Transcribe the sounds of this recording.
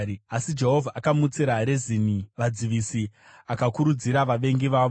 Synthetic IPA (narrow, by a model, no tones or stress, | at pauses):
asid͡ʒe̞ɦo̞vʱaʔːkamut͡siɾaɾeziniʋad͡ziʋisi | akakuɾud͡ziɾaʋaʋe̞ŋɡiʋaːʋo